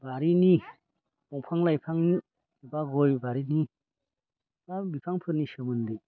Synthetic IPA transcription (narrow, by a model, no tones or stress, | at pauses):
baɾini | bɔŋpʰaŋlajpʰaŋni | ibaɡɔjbaɾini | babipʰaŋpʰɯɾnisɯmɯnde